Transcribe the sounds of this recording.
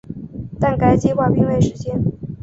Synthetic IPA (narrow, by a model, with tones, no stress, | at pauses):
t̪a˥˩nka˧˥ɪt͡ɕi˥xwa˥˩pi˥˧ŋwe˥˩ɪʂɻ̩˧˥t͡ɕjɛ˥n